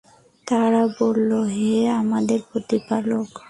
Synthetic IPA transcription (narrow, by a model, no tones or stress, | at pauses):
t̪aɾabolːoɦeamad̪eɾpɾot̪ipalok